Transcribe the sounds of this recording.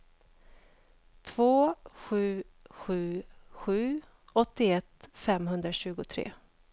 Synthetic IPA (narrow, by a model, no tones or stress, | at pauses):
t̪ʰvoːɧʉ̟ː | ɧʉ̟ːɧʉ̟ː | ɔt̪ːɪɛt̪fɛmɦɵnd̪ɾaɕʉ̟ːɡʊt̪ʰɾḛː